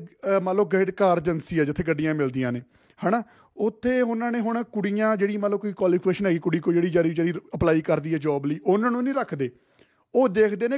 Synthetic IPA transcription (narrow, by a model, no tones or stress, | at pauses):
mət̪ləbɡeːɖkaːɾd͡ʒənsiːɛːd͡ʒɪt̪ʰːeːɡəɖːijãːmɪld̪ijãːneː | hɛːnaː | ʊt̪ʰːeːɦʊnãːneːɦʊɳkʊɽiːãːd͡ʒeːɽiːmət̪ləbkoiːkaːliːkeːʃənɦɛːɡiːkʊɽiːkoːd͡ʒeːɽiːd͡ʒaɾid͡ʒeːɽiːəplaːiːkəɾd̪iːɛːd͡ʒɔːbliːʔʊnãːnũːnĩːɾəkʰd̪eː | oːd̪eːkʰd̪eːneː